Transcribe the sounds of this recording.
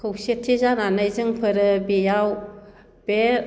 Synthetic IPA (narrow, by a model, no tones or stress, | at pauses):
kʰɯwsetʰːizananajzɯŋpʰɯɾɯbejaw | b̥e